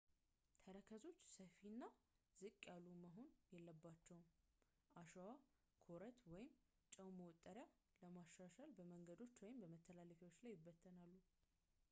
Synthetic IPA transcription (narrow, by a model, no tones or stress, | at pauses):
t̪ʰəɾəkʰəzo̞t͡ʃːsəfinːazɨkʼːjalːuməɦo̞njɛlːəbːat͡ʃːɛwm | ʔaʃawa | kʰo̞ɾət̪wɔjɪm | t͡ʃʼəwməwt̪ʼːəɾja | ləmaʃːaʃalbəməŋɡəd̪o̞t͡ʃːwɔjɪmbəmət̪ʰːəlaləfewo̞t͡ʃːlajːɪbːət̪ʰːənalːu